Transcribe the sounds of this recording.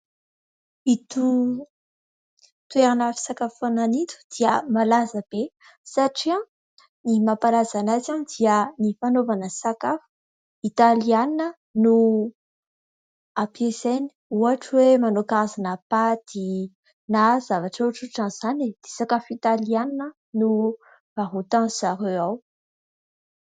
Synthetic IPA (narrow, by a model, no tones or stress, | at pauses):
it̪u | t̪ueɾanafi̥sakafananit̪u̥d̪̥iəmalazəb̥e | saʈ͡ʂia | nimapaɾazanazanid̪iənifanovanəsakafu̥ | it̪alianinə | nu | apieseni̥uaʈ͡ʂwemanokazanapad̪i | nazavaʈ͡ʂoʈ͡ʂuʈ͡ʂãnz̥anid̪̥esakafit̪alianinə | nu | v̥aɦut̪ãz̥aɾeaw